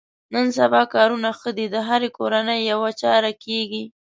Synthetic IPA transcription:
nənsabɑkɑɾunaxəd̪id̪əɦaɾekoɾanəjːawat͡ʃɑɾakeɡi

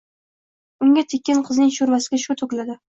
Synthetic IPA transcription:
ʊŋɡʲat̪ʰekʲːɪnqʰɨznɪŋʃʊɾvasɪɡʲaʃʊt̪ʰʊklad̪ɪ

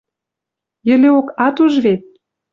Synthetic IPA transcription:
jə̆leokɑt̪uʒβet̪̚

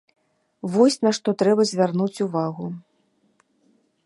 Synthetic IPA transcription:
vɔsʲnaʂt̪ɔt̪ɾɛbɐzʲvʲarnut͡sʲuvaɣu

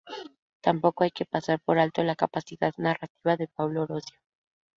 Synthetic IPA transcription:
t̪ampo̞koajke̞pasaɾpo̞ɾalt̪o̞lakapasiðaðnarat̪iβaðe̞p̚awlo̞ɾosjo

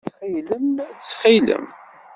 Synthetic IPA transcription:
t͡sχiləmt͡sːχilə̰m

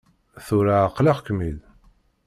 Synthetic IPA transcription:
θʊɾaəqlɑʁkəmil

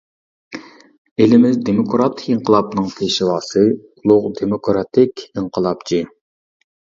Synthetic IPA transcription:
elɪmɪzd̪emokɾɑt̪ʰɪ̥kʲiɴqʰəlˠɑpnɨŋpʰeʃiwɑːsɨulˠʊʁd̪emokɾɑt̪ʰɪkʲiɴqʰəlˠɑpt͡ʃʰi

